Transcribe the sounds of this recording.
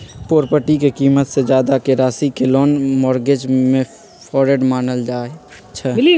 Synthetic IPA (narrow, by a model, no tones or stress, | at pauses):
poːɾpəʈikekiːmət̪sed͡ʒjaːd̪akeɾaːsikɪloːnmɔːɾɡed͡ʒmẽ | pʰɔːɾeɖmaːnəld͡ʒaːe | t͡ʃʰɛ